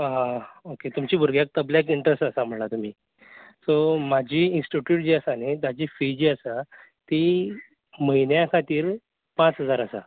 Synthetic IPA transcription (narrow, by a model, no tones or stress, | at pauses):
aoket̪umt͡ɕiːbʱuɾɡjak̚t̪əblak̬iɳʈɾəsʈəsam̤əɳlat̪um̤iː | somad͡ʑʱiːinsʈiʈjuːʈ̚d͡ʑiːəsanet̪ad͡ʑiːfid͡ʑiːəsa | t̪i | məɦinjakʰat̪iːɾ | pãt͡sɦəd͡zaɾəsa̰